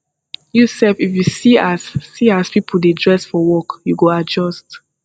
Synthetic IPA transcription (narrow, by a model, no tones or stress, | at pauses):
jusɛfifjusiasːiaspipʰəl̩dedɹɛsfɔwɔkjuɡoad͡ʒɔst